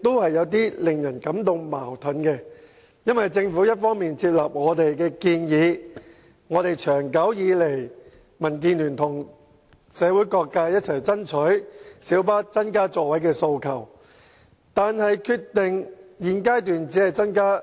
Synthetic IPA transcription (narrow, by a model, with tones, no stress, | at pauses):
t̪o˥whɐ˨jːɐ˨˧wt̪iː˥lɪ˨ŋjɐ˨˩nkɐ˨˥mt̪ʊ˨ŋma̰ː˨˩wt̪ʰɐ˨˥nkɛ˧ | jɐ˥nwɐ˨jt͡sɪ˧ŋfuː˨˥jɐ˥t̚fɔː˥ŋmiː˨nt͡sʰiː˧p̚laː˨˩p̚ŋɔː˨˧t̪e˨jkɛː˧kiː˧njiː˨˧ | ŋɔː˨˧t̪e˨jt͡ʃʰœː˨˩ŋkɐ˨˥wjiː˨˧le˨˩j | mɐ˨˩nk̬iː˧nlyː˨˩nt̪ʰʊ˨˩ŋ | sɛː˨˧wuː˨˥jkɔː˧kːaː˧jɐ˥t̚t͡sʰɐ˨˩jt͡sɐ˥nt͡ʃʰɵ˨˥ɥsiː˨˥wpaː˥t͡sɐ˥nkaː˥t͡sɔː˧wɐ˨˥jkɛː˧so˧wkʰɐ˨˩w | t̪aː˨nhɐ˨jkʰyː˧tt̪ɪ˨˩ŋjiː˨˩nkaː˥jt̪yː˨nt͡si˨˥hɐ˨jt͡sɐ˥nkaː˥